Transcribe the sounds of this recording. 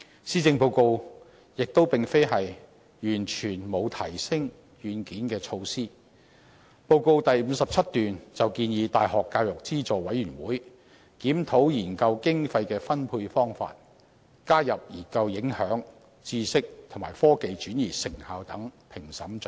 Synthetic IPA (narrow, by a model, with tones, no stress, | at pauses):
siː˥t͡sɪ˧ŋpo˧wko˧w | jɪ˨k̚t̪o˥wpɪ˨ŋfe˥jɦɐ˨j | jyː˨˩nt͡ʃʰyː˨˩nmo˨˧wt̪ʰɐ˨˩jsɪ˥ŋ | jyː˨˧nkiː˨˥nkɛː˧t͡sʰo˧wsiː˥ | po˧wko˧wt̪ɐ˨jm̩˨˧sɐ˨p̚t͡sʰɐ˥t̚t̪yː˨nt͡sɐ˨wkiː˧njiː˨˧t̪aː˨jɦɔː˨kːaː˧wjʊ˨k̚t͡siː˥t͡soː˨wɐ˨˥jɥyː˨˩nwuː˨˥j | kiː˨˥mt̪ʰo˨˥wjiː˨˩nkɐ˧wkɪ˥ŋfɐ˧jkɛː˧fɐ˥npʰuː˧jfɔː˥ŋfa̰ː˧t̚ | kaː˥jɐ˨p̚jiː˨˩kɐ˧wjɪ˨˥ŋhœː˨˥ŋ | t͡siː˧sɪ˥k̚t̪ʰʊ˨˩maː˨˩jfɔː˥ke˨jt͡ʃyː˨˥njiː˨˩sɪ˨˩ŋhaː˨˧wt̪ɐ˨˥ŋpʰɪ˨˩ŋsɐ˨˥mt͡ʃɵ˨˥